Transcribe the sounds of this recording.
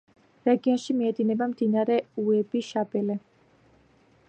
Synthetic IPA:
ɾɛɡiɔnʃimiɛd̪inɛbamd̪inaɾɛuɛbiʃabɛlɛ

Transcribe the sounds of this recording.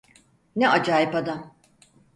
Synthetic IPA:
neʔad͡ʒaːjipad̪am

